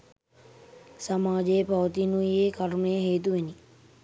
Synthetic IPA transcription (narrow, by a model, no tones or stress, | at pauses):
samaːd͡ʒejːpɐʋət̪inuieːkɐɾməjəɦeːt̪̬uʋeni